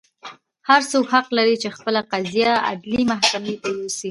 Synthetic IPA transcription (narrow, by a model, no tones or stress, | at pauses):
haɾsokhaqlaɾit͡ʃexpəlaqazijaa̰d̪limahkamet̪ajosi